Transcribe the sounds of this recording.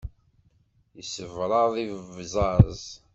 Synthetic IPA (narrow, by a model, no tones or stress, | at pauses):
jəsəvɾˤɑðˤivvzˤɑɾˤzˤ